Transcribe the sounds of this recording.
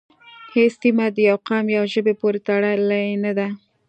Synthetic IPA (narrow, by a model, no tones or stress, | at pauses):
hest̪imad̪əjawqɑmjawʒəbepoɾet̪aɽɑlajenad̪a